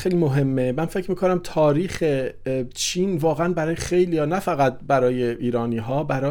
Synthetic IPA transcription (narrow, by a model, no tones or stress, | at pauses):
xejlimo̞ɦe̞mːemænfe̞cʰmiːkʰonæmt̪ʰɒːɾiːxet͡ʃʰiːnvɒːɣeænbæɾɒːjexejliːjɒːnæfæɣæt̪̚bæɾɒːjeʔiːɾɒːniːɦɒːbæɾɒː